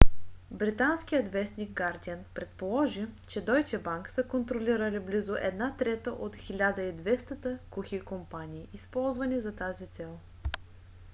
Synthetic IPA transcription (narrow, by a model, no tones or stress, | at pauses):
bɾit̪ansk̟ijət̪vɛsnʲiɡ̚ɡaɾd̪iənpɾɛt̪polˠɔʒit͡ʃɛd̪ɔjt͡ʃɛbaŋksəkont̪ɾoliɾəliblizʊʔɛd̪nat̪ɾɛt̪əʔot̪xilʲad̪əid̪vɛst̪ət̪əkuxikompanʲiːispɔlˠzvɐnizɐt̪azit̪sɛlˠ